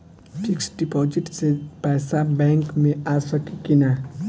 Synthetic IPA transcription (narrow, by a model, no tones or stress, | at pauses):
fɪksɖipɔːd͡ʒɪʈsepɛːsabɛ̃ːŋkmẽaːsəkikina